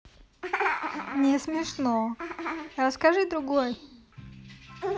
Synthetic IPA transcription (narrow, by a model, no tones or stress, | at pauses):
nʲɪsmʲɪʂno | ɾəskaʐɨd̪ɾʊɡoj